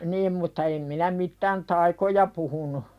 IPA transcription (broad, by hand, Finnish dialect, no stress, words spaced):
nim mutːɑ em minæ mitːæn tɑikojɑ puhunu